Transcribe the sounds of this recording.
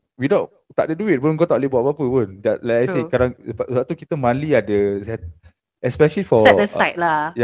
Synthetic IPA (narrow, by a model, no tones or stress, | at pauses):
widõn | t̪a̰ʔdəduit̚bõnɡot̪aʔlebaʔpapəbə̃ndɛʔlajkajsekadãŋəbaəbaʔt̪ukit̪əmãnliadəsɛt̪̚ | ɛspɛʃəlifɔɛəsajt̚laj